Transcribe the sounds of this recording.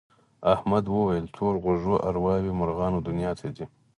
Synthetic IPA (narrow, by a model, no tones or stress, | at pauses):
ahmad̪wəwajəlt̪ʰoːɾɣʊʒoʔaɾwɑwimʊɾɣɑːnod̪ʊnijɑːt̪ʰad̪i